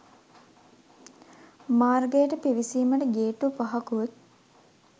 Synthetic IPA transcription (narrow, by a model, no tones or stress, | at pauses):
maːrɡejəʈəpiʋisiːməʈəɡeːʈupɐɦɐkut̪̚